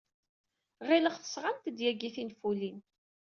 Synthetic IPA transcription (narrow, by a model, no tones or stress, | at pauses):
ʁɪləχθə̥sʁant̪əd̪jæɡiθinfulin